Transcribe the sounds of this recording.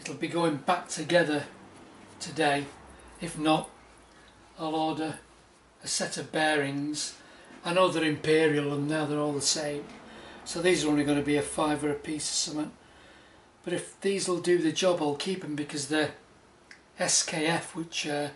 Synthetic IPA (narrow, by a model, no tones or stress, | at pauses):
ɪtl̩ˠbiɡoʊɪ̃ŋbak̚tʰɨɡɛðə˞ | tʰɨdeɪɨfnəɾ | alɔdəː | sɛɾʌvbɛɹɪ̃ŋz̥ | ə̃noðə˞ɨ̃mpʰɪɹiəlˠə̃nðəðə˞ɔlˠðəsẽɪ̃msoʊðizə˞õʊ̃nliɡʌnɨbiɨfaɪvə˞ɨpʰisə̥sʌmə̃n | b̥ʌɾɨfðizl̩ˠdɨðɨd͡ʒɑbaɪlˠkʰipə̃mbɨkʰʌzði | ɛskʰeɪɛfwɪt͡ʃə